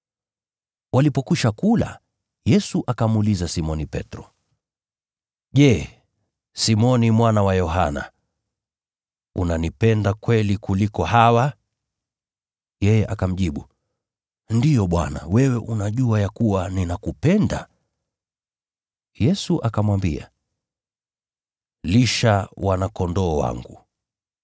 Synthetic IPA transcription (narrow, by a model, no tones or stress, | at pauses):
wʔalipɔkuʃakula̰ | jɛsuʔakamulizasimɔnipɛ̰tɾɔ | ʄɛ | simɔnimwanawajɔɦa̰na̰ | unanipɛndakwɛlikulikɔɦawa | jɛjɛʔakam̩ʄiɓu | ndijɔɓwa̰na̰wɛwɛʔunaʄuajakuwaninakupɛnda̰ | jɛsuʔakamwambḭa̰ | liʃawanakɔndɔːwa̰ŋɡṵ